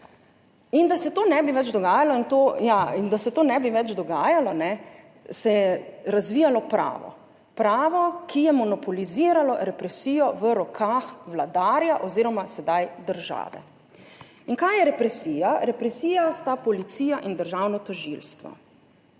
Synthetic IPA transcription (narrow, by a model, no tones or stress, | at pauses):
ind̪asɛt̪oːnɛbiʋɛd͡ʒd̪ɔɡaːjalɔint̪ojaind̪asɛt̪oːnɛbiʋɛt͡ʃd̪ɔɡaːjalɔnɛ | sɛɛɾazʋiːjalɔpɾa̰ːʋɔ̰ | pɾaːʋɔkijɛmɔnɔpɔliziːɾalɔɾɛpɾɛsiːjɔʋəɾɔkʰaːxʋlad̪aːɾjaʔɔziːɾɔmasɛd̪ajd̪əɾʒa̰ːʋɛ̰ | inkajjɛɾɛpɾɛsiːjaɾɛpɾɛsiːjast̪apɔlit̪siːjaʔind̪əɾʒawnɔt̪ɔʒḭlst̪ʋɔ̰